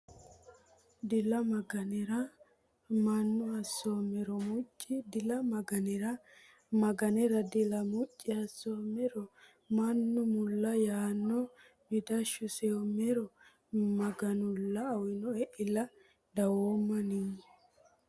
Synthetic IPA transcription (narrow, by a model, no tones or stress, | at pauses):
d̪ɪlɐmɐɡɐnɛɾɐ | mɐnːʊɐsːoːmɛɾɔmʊt͡ʃʼːɪd̪ɪlɐmɐɡɐnɛɾɐ | mɐɡɐnɛɾɐd̪ɪlɐmʊt͡ʃʼːɪhɐsːomɛɾɔ | mɐnːʊmʊlːɐjaːnːɔ | mɪd̪ɐʃːʊsewɔmɛɾɔ | mɐɡɐnʊlːɐːwɪnɔɛʔɪlɐ | d̪ɐwoːmːɐnɪŋɛ